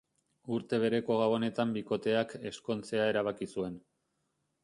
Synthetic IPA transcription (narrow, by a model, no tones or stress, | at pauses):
uɾt̪e̞β̞e̞ɾe̞ko̞ɣawone̞t̪ambiko̞t̪e̞ake̞sko̞nt͡se̞ae̞ɾaβakisue̞n